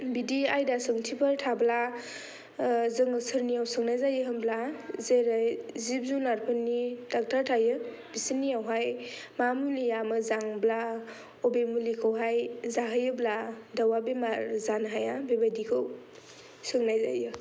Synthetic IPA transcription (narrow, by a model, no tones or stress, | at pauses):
bidiajdasɯŋtʰipʰaɾtʰabla | zɯŋɯsɯɾnijawsɯŋnajzajɯɦɯmblazeɾajzib̚zunaɾpʰɯnːidak̚tʰaɾtʰajɯ | bisinːiawɦajmamulijamɯzaŋbla | obemulikʰɯwɦajzaɦɯjɯbladawabemaɾzanɦajabebadikʰɯw | sɯŋnajza̰jɯ